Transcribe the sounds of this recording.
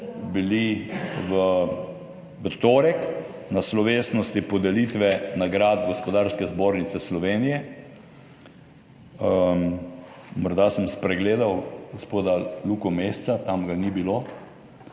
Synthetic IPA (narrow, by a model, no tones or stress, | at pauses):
biliʋə | ʋət̪oːɾɛk | naslɔʋeːsnɔst̪ipɔd̪ɛlit̪ʋɛnaɡɾaːd̪ɡospɔd̪aːɾskɛzboːɾnit̪sɛslɔʋeːnijɛ | ə | mɔɾd̪asəmspɾɛɡleːd̪awɡospoːd̪alukɔmest̪sat̪amɡanibiloː